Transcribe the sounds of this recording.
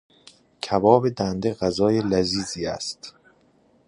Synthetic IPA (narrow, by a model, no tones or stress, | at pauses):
cʰævɒːbe̞d̪ænd̪eɣæzɒːjelæziːziːæst̪